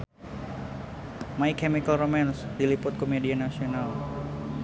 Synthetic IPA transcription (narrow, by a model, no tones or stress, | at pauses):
maikɛmikalromɛnsdilipʊt̪̚komedianasional